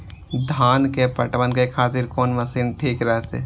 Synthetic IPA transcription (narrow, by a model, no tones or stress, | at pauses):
d̪ʱaːnkepəʈʋənkekʰaːt̪ɪɾkɔːnməsiːnʈʰiːkɾɐɦet̪ʰḛː